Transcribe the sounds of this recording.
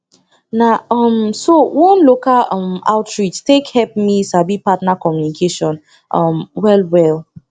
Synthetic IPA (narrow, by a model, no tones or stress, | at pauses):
naʌmsowɔ̃nlokalʌ̃ma̰ʊtɹit͡ʃtekhɛp̚misabipatnakɔmjunikʰeʃɔ̃n | ʔʌmwɛlwɛl